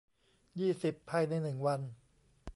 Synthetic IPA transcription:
jiː˥˩si˨˩pʰːa˧jna˧jnɯ˨˩ŋwa˧n

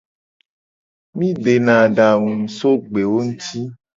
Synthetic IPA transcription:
mĩ˦ɖe˨nã˨ɖa˨ŋũ˨so˦ɡ͡be˨wo˦ŋũ˦t̪i˦

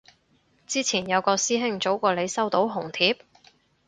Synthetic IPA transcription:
t͡siː˥t͡sʰiː˨˩njɐ˨˧wkɔː˧siː˥ɦɪ˥ŋt͡so˨˥wkɔː˧le˨˧jsɐ˥wt̪o˨˥wɦʊ˨˩ŋt̪ʰiː˨p̚

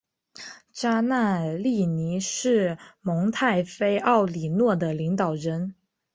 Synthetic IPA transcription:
t͡ɕa˥na˥˧li˥˩ni˧˥ʂɻ̩˥˩mɤ˧˥ŋt̪ʰa˥˩ɪfe˥ɪʔɑ˥˩ʊli˨˩nwɔ˥˩d̪ə˩li˧˥ŋt̪ɑ˨˩ʊɻə˧˥n

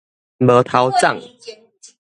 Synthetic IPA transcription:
bə˨˦t̪ʰa˨˦wt͡sa̰˥˨ŋ

